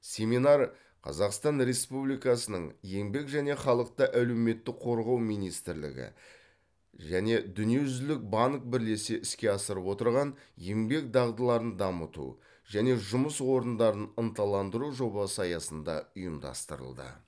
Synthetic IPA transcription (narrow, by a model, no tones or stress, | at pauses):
sʲe̞minɑɾ | qʰɑ̰zɑqst̪ɑnɾe̞spublijkɑsənəɴje̞mbe̞kʒæne̞χɑlˠəq̚t̪əʔælewme̞t̪ːɪk̚qʰo̞ɾʁɑwmijnijst̪ɪɾlɪ̰ɡʲɪ̰ | ʒæne̞d̪ʏnije̞ʒʏzlɪk̚bɑŋk̚bɪɾle̞se̞ʔɪskʲe̞ɑsəɾəpwo̞t̪əɾʁɑnjembe̞k̚d̪ɑʁd̪əlˠɑɾənd̪ɑmət̪ṵ | ʒæne̞ʒʊməswo̞ɾənd̪ɑɾənənt̪ɑlˠɑnd̪əɾuʒo̞bɑsəɑjɑsənd̪ɑ̰ʊjəmd̪ɑ̰st̪əɾə̰lˠd̪ə̰